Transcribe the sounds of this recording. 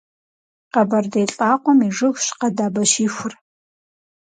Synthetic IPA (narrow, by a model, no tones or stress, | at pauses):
qɐbɐrdejɬʼaːqʷɔmiʐɨxʃqɐdaːbɐʃiːxʷʊr